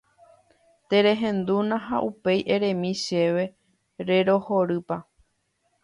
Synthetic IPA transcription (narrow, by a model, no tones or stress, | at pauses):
t̪e̞ɾe̞ɦẽ̞nd̪unãɦa̰ʔupe̞jʔe̞ɾẽ̞mĩʃe̞ʋe̞ | ɾe̞ɾo̞hoɾɨpa